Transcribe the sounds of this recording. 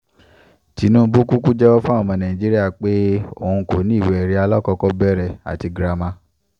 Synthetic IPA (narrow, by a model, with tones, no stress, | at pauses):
ti˨˦nũ˦bu˦ku˦ku˦d͡ʒɛ˦wɔ˦fũ˦a˦˨mɔ̃˧nã˨ĩ˨d͡ʒi˦ɾi˦a˦˨k͡pe˦o˦˨ũ˧ko˨˦nĩ˦˨wɛ˨ɾi˦a˧lɔ˦kɔ˧kɔ˧bɛ˦˨ɾɛ˨a̰˨ti˧ɡɾa˧mã˧˦